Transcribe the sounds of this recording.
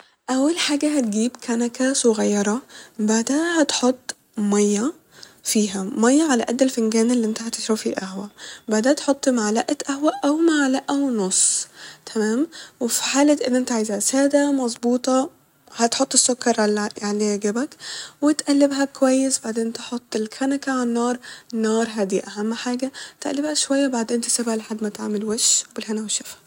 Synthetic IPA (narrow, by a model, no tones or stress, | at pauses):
ʔæwːælħaːɡæɦæt̪ɡiːbkʰæːnækæsʊɣæjːɑɾˤɑbaʕd̪æːnhæt̪ħot̪ˤː | mɑjːæ | fiːɦæmɑjːæʕalæʔæd̪ːelfenɡæːnelːiʔent̪æhæt̪eʃɾæfiʔæhwæbaʕd̪eːt̪ħot̪ˤːmaʕalæːʔæʔæhwæʔæwmaʕalæːʔæwnosˤt̪ʰæmæːmwɪfiħaːlat̪ʔɪnːʔɪnt̪aʕaːjzaʕsaːd̪amɑzˤbuːt̪ˤɑ | hat̪ħot̪ˤːɪsːʊkːɑɾˤjaʕliɡabakwɪt̪ʔalːɪbɦakʊwajːɪsbaʕd̪eːnt̪ħot̪ˤːɪlkʰanakaʕanːɑːɾˤnːɑːɾˤɦad̪iːʔaɦamːħaːɡat̪ʔa̰lːɪbhaʃwajːabaʕd̪eːnt̪ɪ̥sɪbhalħad̪ːmat̪ʕamɪlweʃwbɪlɦanawɪʃːafḁ